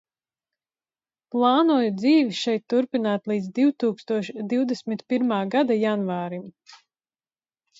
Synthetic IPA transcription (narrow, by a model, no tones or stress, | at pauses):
plˠɑːnuɔjud̪ziːviʃɛjt̪ːuɾpinaːt̪lˠiːd̪zd̪iwt̪uːkst̪uɔʃd̪iwd̪ɛsʲmit̪piɾmaːɡad̪ajanvaːɾim